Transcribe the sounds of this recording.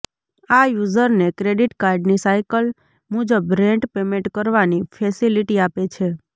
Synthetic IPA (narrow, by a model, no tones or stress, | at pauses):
ajuzəɾnekɾeɖiʈkaɾɖnisajkəl | mud͡ʒəbɾɛ̃ɳʈpemẽɳʈkəɾʋanifʰɛsiliʈiapet͡ʃʰe